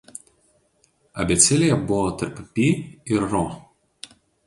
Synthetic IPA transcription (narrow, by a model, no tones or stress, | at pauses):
ɐ̰bʲɛt̪sʲɪlʲɪjɛbʊʋɔːt̪ɐɾppʲiːɪɾːɔ